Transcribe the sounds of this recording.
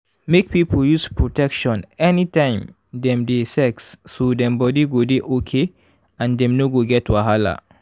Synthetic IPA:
mek̚pipoljuspɹotɛkʃɔ̃nɛnitãɪ̃m | dɛ̃mdesɛksːodɛ̃mbɔdiɡodeʔokʰe | ãndɛ̃mnoɡoɡɛtwaɦala̰

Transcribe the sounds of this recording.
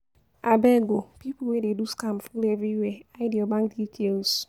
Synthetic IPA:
abɛɡopipwededuskamfulevɾiweaɪdiobãŋk̚ditʰels

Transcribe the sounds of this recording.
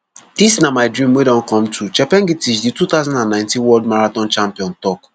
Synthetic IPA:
d̥isnamaɪdɹĩmwedɔ̃nkɔ̃mtʰut͡ʃɛpɛ̃ŋɡitit͡ʃditut̪aʊzãndãnːãɪ̃ntĩnwɔldmaɹatɔ̃nt͡ʃãmpiɔ̃ntɔk

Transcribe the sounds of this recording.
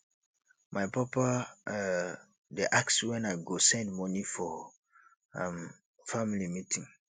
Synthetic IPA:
maɪpɔpa | deʔakswɛ̃naɪɡosɛ̃ndmɔnifɔ | am | familimitʰĩŋ

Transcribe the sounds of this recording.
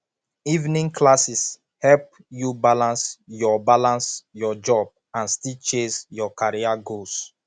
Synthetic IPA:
ivnĩŋkʰlasis | hɛp̚ | jubalãnsjɔbalãnsjɔd͡ʒɔb̚ | ãnstit͡ʃẽnsjɔkaɹiaɡos

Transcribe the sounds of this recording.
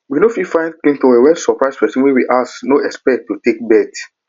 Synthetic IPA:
winofifãɪ̃ndkĩŋtoewɛlsɔpɹaɪspɛsɔ̃nwɛwiʔasknoɛspɛk̚tːutek̚bɛt

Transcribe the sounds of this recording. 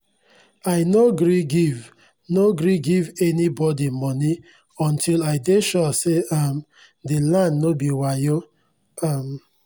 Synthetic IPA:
aɪnoɡɾiɡiv | noɡɾiɡivɛnibɔdimɔni | ɔ̃ntʰilaɪdeʃɔseam | dilãndnobiwajo | am

